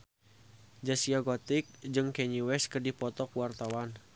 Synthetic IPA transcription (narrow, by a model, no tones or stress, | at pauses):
d͡ʒasiaɡɔt̪ik̚d͡ʒɨŋkɛɲiwɛskərdipɔt̪ɔkwart̪awan